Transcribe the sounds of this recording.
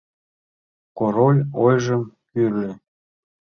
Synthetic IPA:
koɾolʲojʒəmkyre

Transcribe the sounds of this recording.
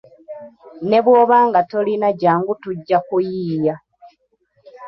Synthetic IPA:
ne̞βwo̞ːβaːŋɡatolinaɟaːŋɡutuɟːakujiːja

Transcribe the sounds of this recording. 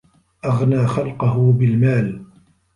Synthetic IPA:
ʔaɣnaːxalqʊhʊbɪlmaːl

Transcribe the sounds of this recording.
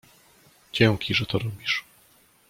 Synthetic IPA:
d͡ʑɛŋkʲiʐɛt̪ɔɾɔbʲiʂ

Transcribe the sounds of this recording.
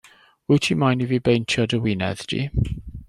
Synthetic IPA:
witʰimajnivibejntʰjɔdəwɪnɛ̰ðd̥ʰḭ

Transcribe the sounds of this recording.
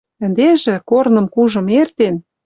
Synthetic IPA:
ə̆nd̪eʒĕkornɤ̆mkuʒɤ̆mert̪en

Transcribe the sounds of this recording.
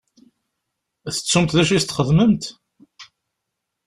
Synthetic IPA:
θə̥t͡sːumt̪ðæʃ̬ist̪ːχəðməmt̪

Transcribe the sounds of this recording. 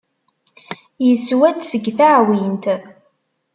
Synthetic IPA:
jəswæd̪səɡθaʕwint̪

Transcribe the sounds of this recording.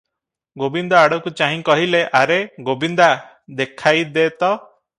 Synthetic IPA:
ɡobind̪ɔaɽɔkut͡ʃaɦĩkɔɦileʔaɾeɡobind̪a | d̪ekʰajd̪eːt̪ɔ

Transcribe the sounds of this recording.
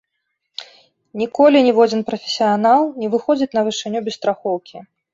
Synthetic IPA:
nʲikɔlʲinʲɛvɔd͡zʲinpɾɐfʲɛ̥sʲijanalˠnʲɛvɨxɔd͡zʲit͡sʲnɐvɨʂɨnʲubʲɛst̪ɾaxɔwkʲi

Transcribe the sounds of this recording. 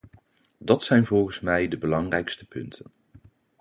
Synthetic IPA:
dɑtsɛjnvɔlˠχənsmɛjdəbəlɑŋrɛjkstə̥pɵntʰən

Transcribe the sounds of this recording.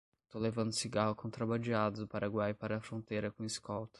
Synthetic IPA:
st̪owlevɐ̃nd̪ʊsiɡaɦʊkõt̪ɾabad͡ʒiad̪ʊd̪ʊpaɾaɡwajpaɾɐːfɾõt̪ejɾɐkõiskɔwt̪ɐ̥

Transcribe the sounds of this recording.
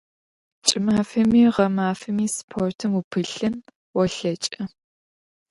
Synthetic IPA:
t͡ʃʼɪmaːfɐmiːʁɐmaːfɐmiːspʰortʰɨmupʰɨɬɨn | wɔɬɐt͡ʃʼɐ

